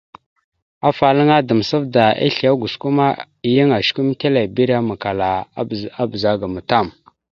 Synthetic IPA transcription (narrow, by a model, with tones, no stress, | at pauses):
a˦fa˨lə˦ŋa˦də˨m˨sə˦vda˨ḛ˦ɬi˨a˦ɡu˨sku˦ma˦ | i˨jə˦ŋa˨ʃku˦m˦te˦la˨bi˦ɾa˦ma˨ka˨la˨˦a˦bə˨za˦ɡa˨mə˨ta˦˨m